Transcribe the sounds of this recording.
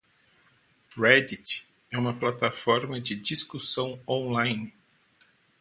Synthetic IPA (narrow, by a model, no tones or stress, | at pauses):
ɾɛd̪it͡ʃ | ɛũmɐplat̪afɔɾmɐd͡ʒɪd͡ʒiskusɐ̃w̃õlajnɪ